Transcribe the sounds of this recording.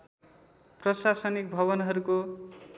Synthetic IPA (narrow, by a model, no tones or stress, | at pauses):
prʌsasʌnik̚bʱʌβʌnɦʌɾuko